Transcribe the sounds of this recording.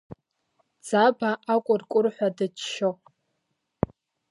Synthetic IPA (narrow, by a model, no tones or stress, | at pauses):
d͡zabaakʷʼʊrkʷʼʊrħʷadɨt͡ʃʃo